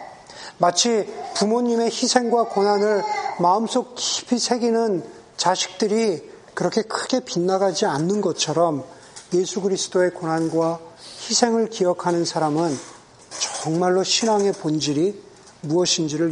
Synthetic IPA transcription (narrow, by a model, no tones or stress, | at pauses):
mat͡ɕʰipumoɲːime̞çisʰe̞ŋɡwakonanɯɭmaɯms͈ok̚ki̥pʰisʰe̞ɡinɯn | t͡ɕaɕʰi̥k̚t͈ɯɾikɯɾʌkʰe̞kʰɯɡ̥e̞pinːaɡad͡ʑianːɯnɡʌt͡ɕʰʌɾʌm | je̞sʰuɡɯɾisʰɯ̥t͈oe̞konɦanɡwaçisʰe̞ŋɯɭkijʌkʰanɯnsʰaɾamɯn | t͡ɕʌŋmaɭːoɕʰinaŋe̞pond͡ʑiɾi | muʌɕʰind͡ʑiɾɯ